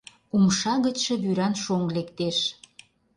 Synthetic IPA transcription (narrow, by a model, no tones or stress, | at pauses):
umʃɑɣət͡ɕʃĕβyɾɑnʃoŋlekt̪eʃ